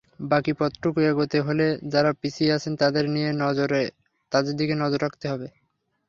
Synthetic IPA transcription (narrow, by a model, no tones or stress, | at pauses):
bakipɔt̪ːɾokuaɡot̪eɦoled͡ʑaɾapisiat͡ɕʰent̪ad̪eɾnijenɔoɾe | t̪ad̪eɾd̪ikenɔd͡ʑoɾːakʰt̪eɦɔbe